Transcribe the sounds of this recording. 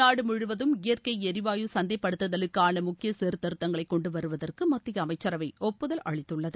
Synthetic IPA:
aːɽɯmʊɻɯʋɐðɯmɪjɐrkɐɪɛɾɪʋaːjusɐnd̪ɐɪpːɐɽɯt̪ːɐðɐlɯkːaːɳɐmʊkːɪjɐseːɾt̪ɐɾɯt̪ːɐŋɡɐɭɐɪkːɔɳɖɯʋɐɾɯʋɐðɐrkɯmɐt̪ːɪjɐːmɐɪt͡ʃːɐɾɐʋɐɪʔɔpːɯðɐlʔɐ̰ɭɪt̪ːɯɭːɐðɯ

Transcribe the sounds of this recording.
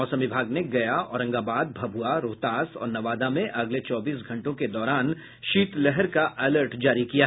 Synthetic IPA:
ɔːsəmʋɪbʱaːɡneɡɐjaɔːɾɐ̃ŋɡaːbaːd̪̚bʱɐbʱuaɾoːt̪aːsɔ̰ːɾnɐʋaːd̪amẽʔɐɡlet͡ʃɔːbiːs̬ɡʱɐ̃ɳʈõked̪ɔːɾaːn | ʃiːt̪lɛɦɛɾkaʔʔɛləɾʈd͡ʒaːɾikijaɦ

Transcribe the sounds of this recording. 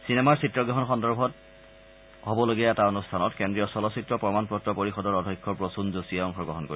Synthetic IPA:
sinemaɹsitːɹɔɡɹɔɦɔnxɔndɔɹbʱɔt | hobɔloɡiɛtaonustʰanɔtkendɹijɔsɔlɔsitɹɔpɹɔmanpɹɔtɹɔpoɹixɔdɔɹɔdʱɔjkʰːɔɹpɹosunzosiɔŋxɔɹɡɹɔɦɔnkoɹi

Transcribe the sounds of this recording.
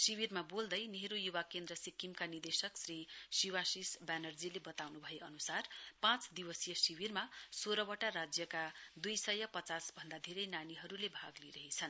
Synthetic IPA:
siwirmabold̪ʌjniɦɾujuwakend̪rʌsikːimkanird̪esʌksrisiwasisbanʌrd͡zilebʌt̪awnubʱʌjeʌnusarpãt͡sd̪iwʌsjʌsiwirmasoɾʌwʌʈaɾad͡zjʌkad̪ujsʌjʌpʌt͡sasbʱʌnd̪ad̪ʱeɾʌjnaniɦʌɾulebʱaɡliɾʌɦit͡sʰʌn

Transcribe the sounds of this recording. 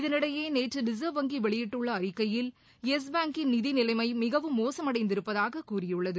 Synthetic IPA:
ɪðɐnɪɽɐjeːneːʈrɯɖɪsɐʋɐŋɡiʋɛɭɪjɪʈːɯɭːɐːɾɪkːɐjɪl | ɛs̬baːŋkɪnnɪðinɪlɐɪmɐɪmɪɣɐʋɯmːoːsɐmɐɽɐɪnd̪ɪɾɯpːɐðaːɣɐkuːrɪjɯɭːɐðɯ

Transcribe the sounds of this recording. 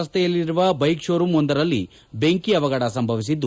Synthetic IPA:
ɐst̪ʰɛjɐlːiɾuʋɐbɐjkʂoːɾumɔnd̪ɐɾɐlːḭ | be̞ŋkiɐʋɐɡɐɽɐsɐmbʱɐʋis̬id̪ːu

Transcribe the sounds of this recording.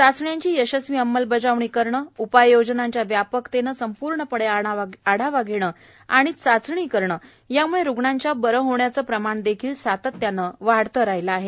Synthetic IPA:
sat͡sɳjaɲt͡ɕiːjəɕəsʋiːəmːəlbəd͡zaʋɳiːkəɾɳəːupajjod͡ʑnaɲt͡ɕjaʋjapəkt̪enəsəmpuɾɳəpəɽeaaɽ̤aʋaɡʱiɳ̃əː | aɽ̃it͡sat͡sɳ̃iːkəɾɳəː | jamuɭeɾuɡɳaɲt͡ɕjabəɾəɦoɳjat͡səːpɾəmaɳd̪ekʰiːlsat̪ət̪ːjanːəʋaɽt̪əɾajlaaɦe

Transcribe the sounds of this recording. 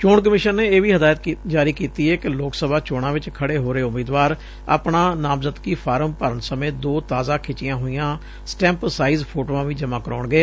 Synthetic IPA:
t͡ʃoːɳk̬əmɪʃənːeːeːʋiːɦəd̪aːjət̪ːd͡ʒaːɾiːkiːt̪iːɛːkɪloːksəbaːt͡ʃoːɽãːʋɪt͡ʃkʰəɽeːɦoːɾeːʊmiːd̪ʋaːɾ | a̰ːpɳãːnaːmzət̪kiːpʰaːɾəmpəɾənsəmẽːd̪oːt̪aːzãːkʰɪt͡ʃɪjãːɦoːijãː | sʈɛ̃ːmpsaːiːzpʰoːʈoːãːʋĩːd͡ʒəmãːkəɾɔ̰ːɳɡeː

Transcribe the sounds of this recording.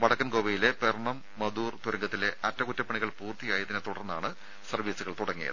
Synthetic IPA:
ʋɐɽɐkːɐnkoːʋɐjile̞perɳɐmːɐd̪uːrt̪uɾɐŋɡɐt̪ːile̞ʔɐtːɐkutːɐpːɐɳiɣɐɭpuːrt̪ijaːjɐðinet̪uɽɐrnːa̰ːɳɨ | sɐrʋiːsuɣɐɭt̪uɽɐŋːijɐ̰ðɨ

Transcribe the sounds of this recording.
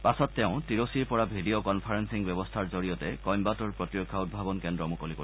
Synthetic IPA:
pasɔtːɛʊ̃tiɹosiɹpɔɹabʱidiokɔnpʰaɹensiŋbjɛbɔstʰaɹzoɹijɔtɛkɔjmbatɔɹpɹɔtiɹɔkʰːaud̚bʱabɔnkendɹɔmukɔliko

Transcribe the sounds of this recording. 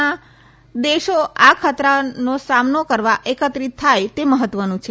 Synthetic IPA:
a | d̪eʃoakʰat̪ɾanosamnokəɾʋaʔekət̪ɾit̪ʰːajt̪eməɦət̪ːʋənũt͡ʃʰe

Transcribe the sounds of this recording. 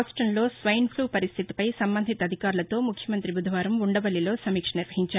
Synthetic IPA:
sʈɐnlo̞ːsʋɐjnpʰluːpɐɾist̪ʰit̪i̥pɐjsɐmbɐnd̪ʱit̪ɐd̪ʱikaːɾulɐt̪o̞ːmukʰjɐmɐnt̪ɾibud̪ʱɐʋaːɾɐmuɳɖɐbɐlːilo̞ːsɐmiːkʂɐniɾʋɐɦiɲt͡ʃaː

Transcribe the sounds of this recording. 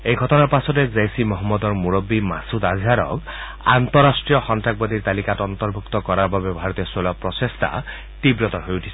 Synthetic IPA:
ejɡʱɔtɔnaɹpasɔtezejsimɔɦɔmːɔd̪ɔɹmuɹɔbːimasud̪azʱaɾɔ̰k | a̰nt̪ɔɾasʈɹijɔxɔntak̚bɔd̪iɹt̪alikatɔnt̪ɔɹbʱukt̪ɔkɔɾababebɔaɾɔt̪ijɔsolɔpɹɔsest̪ʰa̰ | tibɹɔt̪ɔɦojutʰi̥s

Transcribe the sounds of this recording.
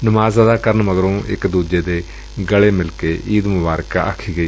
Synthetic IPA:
nʊmaːzaːd̪aːkəɾənməɡɾõːʔɪ̰kd̪uːd͡ʒeːd̪eː | ɡəɭeːmɪlkeːʔiːd̪mʊbaːɾka̰ːʔə̰kʰːiːɡəiː

